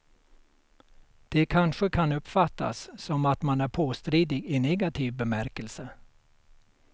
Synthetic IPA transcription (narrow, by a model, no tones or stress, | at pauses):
d̪̥ɛkʰanʂəkʰanɵpːfat̪ʰːa̰sːɔmat̪manæɾpʰoːst̪ɾiːd̪ɪɡɪnɛɡat̪ʰiːvbɛmæɾkəlsə